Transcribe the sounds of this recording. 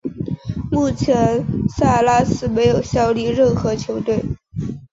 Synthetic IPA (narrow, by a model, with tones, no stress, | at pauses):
mu˥˩t͡ɕʰjɛ˧˥nsa˥˧la˥sɹ̩˥me˧˥ɪjo˨˩ʊɕjɑ˥ʊli˥˧ɻə˥˩nxɤ˧˥t͡ɕʰjo˧˥ʊt̪we˥˩ɪ